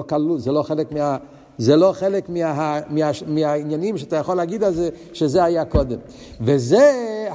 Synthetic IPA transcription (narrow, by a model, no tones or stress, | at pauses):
okalulzɛloχeləkmia | zɛloχelekmiaɦamiaʃmihainjanimʃeat̪ajaχolaɡid̪alzɛ | ʃezehajakod̪em | veze